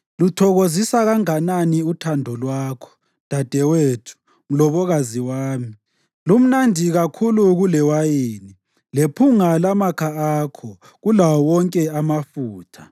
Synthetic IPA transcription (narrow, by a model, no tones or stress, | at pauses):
lutʰɔɣozisaɣaŋananiutʰandʱɔlwaːkʰɔ̥ | d̥ʱad̥ʱɛwetʰu̥ | ŋ̩lɔβɔɣaziwaːmi | lum̩nandʱiɣakʰuluɣulɛwajeːni | lepʰuŋalamakʰaaːkʰɔ | ɣulawɔwɔŋkʼɛamafuːtʰa